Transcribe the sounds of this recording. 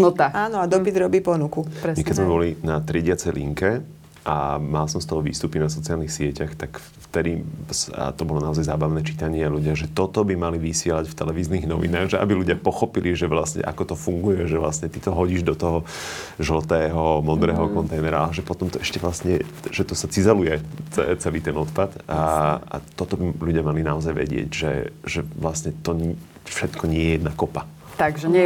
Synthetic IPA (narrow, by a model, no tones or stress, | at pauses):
nɔt̪aaːnɔad̪ɔpid̪ɾɔbiːpɔnukupɾɛmɛkɛizmɛbɔlinat̪ɾiɛɟɪat͡sɛjlḭŋkɛ | ʔamalsɔmst̪ɔɦɔʋḭːst̪upinas̬ɔt͡siaːlnixsɪɛcaxt̪ak | ft̪ɛd̪isa̰t̪ɔbɔlɔnaɔzajzaːbaʋnɛːt͡ʃit̪aɲɪɛaluɟɪaɣʒɛt̪ɔt̪ɔbimaliʋisɪɛlacft̪ɛlɛʋiːzniːɣnɔ̰ʋḭnaːɣʒɛʔa̰biluɟɪapɔxɔpiliʒɛʋlasɲɛ̰ʔa̰kɔt̪ɔfuŋɡujɛʒɛʋla̰sɲɛt̪it̪ɔɦɔɟiːʒd̪ɔt̪ɔɦɔʒlt̪ɛːɦɔmɔd̪ɾɛːɦɔkɔnt̪ɛjnɛɾaalɛʒɛpɔt̪ɔmt̪ɔʔɛʃcɛʋlasɲɛ | ʒɛt̪ɔsat͡sizalujɛt͡sɛ̰t͡sɛliːt̪ɛnɔt̪pat̪aa̰t̪ɔt̪ɔbiʎuɟɪamalinaɔzajʋɛ̰ɟɪɛ̰ɟʒɛ̰ʒɛlasɲɛt̪ɔɲ | fʃɛt̪kɔɲɪɛjɛjɛd̪nakɔpa | t̪aɡʒɛɲɛ